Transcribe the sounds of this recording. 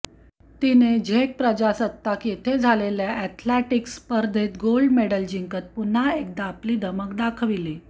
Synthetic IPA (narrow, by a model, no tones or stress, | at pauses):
t̪ined͡ʑʱeʈ̚pɾəd͡ʑasət̪ːakjet̪ʰed͡zʱaleljaʔɛt̪ʰleʈikspəɾd̪ʱet̪ɡolɖmeɽəld͡ʑiŋkət̪̚pun̤ːaek̚d̪aːpliːd̪ʱəmək̚d̪akʰʋili